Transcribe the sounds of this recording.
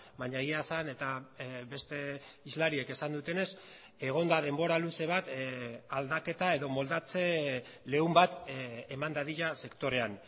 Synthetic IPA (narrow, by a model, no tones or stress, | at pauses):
baɲaeɣiasane̞t̪aβe̞st̪e̞izlaɾie̞ke̞sand̪ut̪e̞ne̞s | e̞ɣ̞o̞nd̪aðe̞mbo̞ɾaluse̞β̞at̪ald̪ake̞t̪ae̞ðo̞mo̞ld̪at͡se̞le̞umbat̪emand̪aðiʎase̞kt̪o̞ɾe̞an